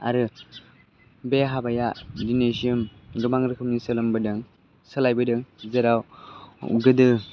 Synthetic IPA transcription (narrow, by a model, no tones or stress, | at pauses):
a̰ɾɯ | beɦabajadinesiɯmɡɯmaŋɾɯkʰɯmnisɯlɯmbɯdɯŋ | sɯlajbɯdɯŋzɯɾaw | ɡɯdɯ